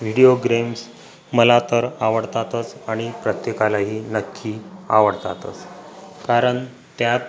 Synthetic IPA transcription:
ʋ̤iɽioɡɾems | məlat̪əɾaʋəɽt̪at̪ət͡saɽ̃ipɾət̪jekalaɦiːnəkʰːiːaʋəɽt̪at̪ət͡skaɾəɳ | t̪jat̪

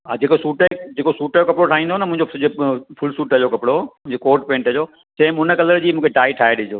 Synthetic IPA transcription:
ad͡ʑeːkosuːʈːd͡ʑeːkosuːʈəjokɐpɽoʈʰaːĩːn̆d̪oːnəmʊ̃ɦɪ̃ɲd͡ʑod͡ʑfʰʊlsuːʈəd͡ʑokɐpɽomʊ̃ɦɪ̃ɲd͡ʑokoːɾʈpẽːɳʈəd͡ʑoː | t͡ɕẽɪ̃mʊnəkɐləɾd͡ʑiːmũːkʰeʈaːiʈʰaːeɗĩd͡ʑoː

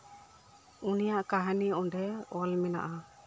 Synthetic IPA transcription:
unijaʔkaɦaniɔɖɛɔlmɛna̰ʔa

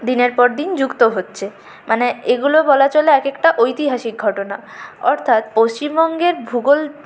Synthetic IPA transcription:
d̪ineɾpɔɾd̪ind͡ʑukt̪oɦotːɕʰe | mʔaneeɡulobɔlat͡ɕoleɛkekʈaʔojt̪iɦaʃik̚ɡʱɔʈona | ɔɾt̪ʰat̪post͡ɕimbɔŋɡeɾbʱuɡol

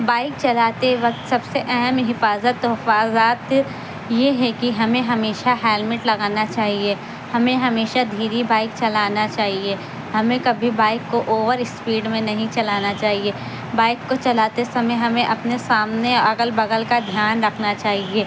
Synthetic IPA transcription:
baːɪk̚t͡ʃɐlaːt̪eʋɐk̚t̪sɐbseʔɛɦɛmɦɪfaːzət̪ːɔɦfaːzaːt̪ | jeɦɛkiɦɐmẽɦɐmeːʃaɦɛːlmɪʈlɐɡaːnat͡ʃaːɦie | hɐmẽɦɐmeːʃad̪ʱiːɾibaːɪk̚t͡ʃɐlaːnat͡ʃaːɦie | hɐmẽkɐbʱibaːɪkːoʔoːʋəɾɪspiːɖmẽnɐɦĩt͡ʃɐlaːnat͡ʃaːɦie | baːɪkːot͡ʃɐlaːt̪esɐməjɦɐmẽʔɐpnesaːmneɐɡəlbɐɡəlkad̪ʱjaːnɾɐkʰnat͡ʃaːɦieː

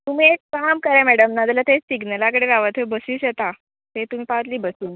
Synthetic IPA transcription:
t̪um̤iekamkəɾamɛɽəmnad̪alat̪esiɡnəlakəɽeʋaʋət̪ʰebəsũːɕjet̪a | t̪et̪um̤iːpaət̪liːbəsuːn

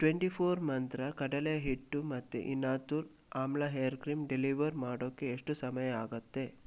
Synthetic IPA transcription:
ʈʋeɳʈipʰoːɾmɐnt̪ɾɐkɐɽɐlejɐɦiʈːumɐt̪ːṵʔinaːt̪uɾ | aːmlaɦejɐɾkɾiːmɖeliʋɐɾmaːɽoːkːeːʂʈusɐmɐjɐaːɡɐt̪ːe̞

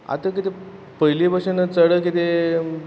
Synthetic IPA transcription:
a̰t̪əkit̪e | pəjlibəʂənət͡səɽəkit̪e

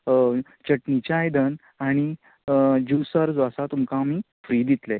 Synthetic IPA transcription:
t͡ɕəʈnit͡ɕjaːjd̪ən | aɽ̃i | d͡ʑusəɾd͡zəsat̪umkamiː | fɾiːd̪it̪le

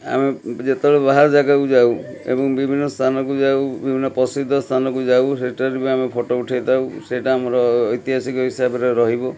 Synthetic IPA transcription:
a̰med͡ʒet̪ɔɭebaɦaɾd͡ʒaɡakud͡ʒaw | ḛbɔŋbibʱinːɔst̪ʰanɔkud͡ʒawbibʱinːɔpɔsid̪ʱːɔst̪ʰanɔkud͡ʒawseʈaɾibeamepʰɔʈouʈʰajt̪awseʈaːmɔɾɔːjt̪iɦasikɔɦisabɔɾeɾɔɦibɔ

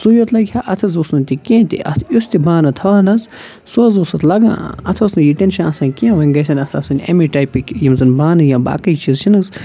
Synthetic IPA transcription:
sujot̪lɐkʰʲhaʔɐt̪ʰɐzusnɨnʲt̪ikʲẽːt̪ḭʔɐ̰t̪ʰust̪ibaːnɐt̪ʰɐʋaːnɐz | suɐzosɐt̪lɐɡã̰ːɐ̰t̪ʰɐsnɨjiʈenʃãnɐsãːkiãːʋɐŋɡɐsʲɐnɐt̪ʰɐ̰sɨnʲḛmiʈajpikjimzɨnbaːnɨjãːba̰ːkɐjt͡ʃizt͡ʃʰinɨz

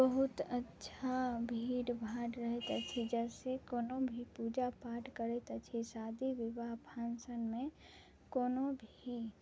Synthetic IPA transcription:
bəɦʊt̪ətːʃʰabʱiːɽbʱãʈɾəɦet̪ət͡ʃʰid͡ʒɛːsekoːnobʱipuːd͡ʒapaːʈkəɾet̪ət͡ʃʰisaːd̪iʋɪbaɦbʰʱãːnsənmẽ | koːnobʱii

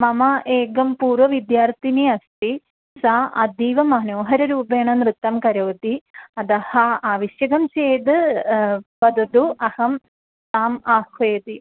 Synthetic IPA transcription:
mɐmɐʔeːɡɐmpuːɾʋɐʋid̪jaːɾt̪iniɐst̪i | saʔɐ̰d̪iːʋɐmɐnoːɦɐɾɐɾuːbeːɳɐnɾɨt̪ːɐmkɐɾɐːd̪iɐd̪ɐhɐaːʋiʃjɐɡɐmt͡ʃeːd̪ɨ | bɐd̪ɐd̪uɐhɐm | t̪aːmaːkʰʋeːd̪i

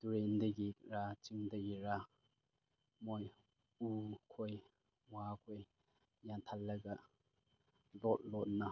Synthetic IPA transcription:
tuɾendɐɡiɾat͡ʃiŋdɐɡiɾa | moj | ukʰoj | wakʰoj | jantʰalːɐɡɐ | lɔt̚lɔt̚nɐ

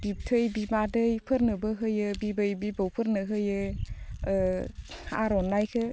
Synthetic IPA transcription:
b̥ip̚tʰɯjbibadɯjpʰɯɾnɯbɯɦɯjɯbibɯjbibawpʰɯɾnɯɦɯjɯ | a̰ɾɔnːajkʰɯ

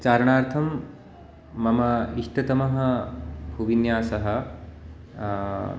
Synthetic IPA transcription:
t͡ʃaːɾɐɳaːɾt̪ʰɐmː | ɐmɐiʂʈɐt̪ɐmɐɦɐ̆bʱuʋinjaːsɐɦɐ̆

